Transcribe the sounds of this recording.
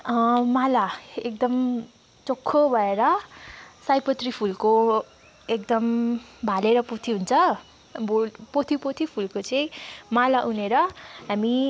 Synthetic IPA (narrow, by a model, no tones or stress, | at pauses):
malaek̚d̪ʌm | t͡sokʰːobʱʌeɾʌ | sajpʌt̪ripʰulko | ek̚d̪ʌmbʱaleɾʌpot̪ʰiɦunt͡sʰʌ | bopot̪ʰipot̪ʰipʰulkot͡sʌĩmalaʔuneɾʌɦami